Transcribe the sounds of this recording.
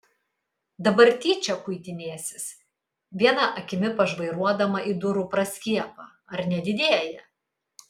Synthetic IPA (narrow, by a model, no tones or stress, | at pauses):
d̪ɐbɐɾʲt̪ʲiːt͡ʃʲɛkʊɪt̪ʲɪnʲeːsʲɪs | ʋʲiɛnɐʔɐkʲɪmʲɪpɐʒʋɐɪɾuɔd̪ɐmɐʔid̪ʊɾuːpɾɐsʲkʲiɛpɑː | ɐɾnʲɛd̪ʲɪd̪ʲeɛjɛ